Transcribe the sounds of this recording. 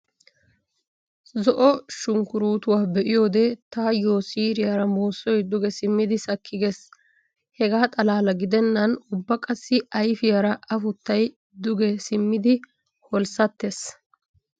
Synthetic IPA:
zɔʔɔʃʊŋkʊɾuːt̪ʊwaːbɛʔɪjoːd̪ɛt̪aːjoːsiːɾɪjɐɾɐmo̞ːsːɔjd̪ʊɡɛsɪmːɪd̪ɪsɐkʰːɪɡes | hɛɡaːt̪ʼɐlaːlɐɡɪd̪ɛnːɐnʊbːɐkʼɐsːɪɐjfɪjɐɾɐʔɐfʊt̪ːɐj | d̪ʊɡɛsɪmːɪd̪ɪ | hɔlsɐt̪ːes

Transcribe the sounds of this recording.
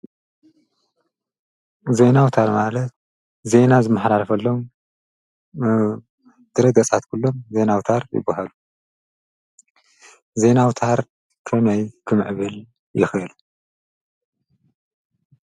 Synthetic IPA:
ze̞nawt̪ʰaɾmalɐt̪̚ | ze̞nazɨmːaħɾalɐfɐlːo̞m | d̪̥ɨɾɐɡɐt͡sʼat̪kʰulːo̞mze̞nawt̪ʰaɾjɪ̰bahalu | ze̞nawt̪ʰaɾ | kʰɐmɐjkʰɨmʕɨβɨl | jɪxɨɨlu

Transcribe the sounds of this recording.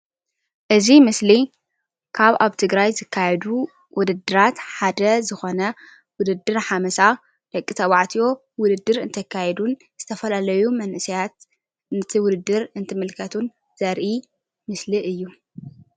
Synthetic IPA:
ʔɨzimɨsli | kʰaβaβt̪ʰɨɡɾajzɨkʰːajɛd̪u | wʊd̪ɨd̪ːɨɾat̪ħad̪ɐzɨxo̞nɐ | wʊd̪ɨd̪ːɨɾħamɐsa | d̪̥ɐkʼːit̪ʰɐwaʕt̪ʰijo̞ | wʊd̪ɨd̪ːɨɾɨnt̪ʰɐkʰːajɛd̪un | z̥ɨt̪ʰɐfɐlalɐjumɐnʔɨsijat̪̚ | nɨt̪ʰiwʊd̪ɨd̪ːɨɾɨnt̪ʰɨmɨlkʰɐt̪ʰun | z̥ɐɾʔi | mɨsliʔɨjːu

